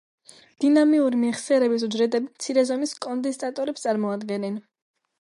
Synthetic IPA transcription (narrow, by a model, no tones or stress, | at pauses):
d̪̥inamiuɾimiʁsɛɾɛbis̬ud͡ʒɾɛd̪ɛbmt̪sʰiɾɛzɔmiskʼɔnd̪ɛst̪ʼat̪ʼɔɾɛpst̪sʼaɾmɔad̪ɡɛnɛn